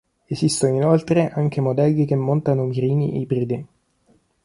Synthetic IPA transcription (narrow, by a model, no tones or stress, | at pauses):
ezist̪ooinolt̪ɾeʔaŋk̟emod̪ɛlːikemːont̪anomiɾiːnḭʔeipɾid̪e